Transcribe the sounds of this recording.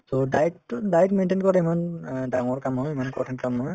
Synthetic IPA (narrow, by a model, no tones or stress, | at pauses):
todajtdajtmentenkɔɹtɛimandaŋɔɹkamɦɔjmanɛkɔ̰tʰɛnkamɦɔj